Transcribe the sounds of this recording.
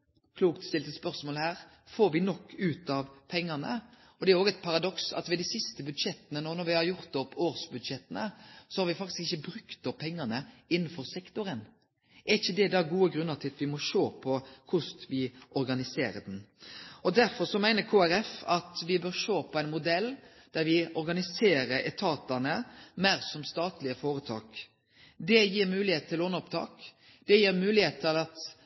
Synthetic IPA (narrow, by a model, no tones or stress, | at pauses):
kʰluːkt̪st̪ɪlt̪əspœʁsmoːlhæːʁ | foːɾʋɪnɔkːʉːt̪ɑʋpʰɛŋːɑnə̰ | ɔd̪ɛæɾoːɡɛɪt̪pʰɑɾɑd̪ɔksɑ̰t̪ʋɛd̪isɪst̪əbʉd̪ʂɛt̪ːənənɔnɔɾʋɪhɑɾjʊɾt̪̚ɔpʰːoːʁsbʉd̪ʃɛt̪ːənəsɔhɑɾʋɪfɑkt̪ɪskɪçːəbɾʉkt̪ɔppʰɛŋːɑnəɪnːən̩fɔʁsɛkt̪ʊɾən | ʔæɾɪçːəd̪ɛd̪ɑɡuːəɡɾʉnːəʁt̪ʰɪlt̪ʋɪmɔʂoːpʰɔkʰʊst̪ʋɪʔɔɾɡɑnɪseːɾəd̪ɛnɔd̪æɾfɔɾsɔmæɪnəɾkʰoːæɾɛfɑt̪ʋɪbøɾʂoːpʰɔæɪnmʊd̪ɛlː | d̪̥æɾʋɪʔɔɾɡɑnɪseːɾəɾɛt̪ʰɑːt̪ɑnəmæɾsɔmst̪ɑːt̪lɪəfoːɾət̪ʰɑ̰ːk | d̪ɛjiːɾmʉːlɪheːt̪̚t̪ʰɪloːnɔpt̪ʰɑ̰ːk | d̪̥ɛjiːɾmʉːlɪheːt̪ʰɪlɑt̪